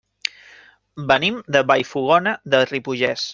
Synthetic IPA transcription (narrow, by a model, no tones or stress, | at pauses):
bənimd̪əβajfuɣ̞ɔnəðəripuʒɛs